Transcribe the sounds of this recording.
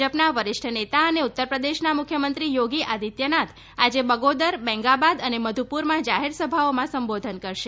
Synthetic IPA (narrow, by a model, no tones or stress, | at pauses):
əpnaʋəɾɪʃʈʰənet̪aəneut̪ːəɾpɾəd̪eʃnamukʰjəmənt̪ɾijoɡiʔad̪ʱit̪jənat̪ʰ | ad͡ʒebəɡod̪əɾbɛ̃ŋɡabad̪əneməd̪ʱupuɾmãd͡ʒaɦeɾsəbʱaomãsəmbod̪ʱənkəɾʃe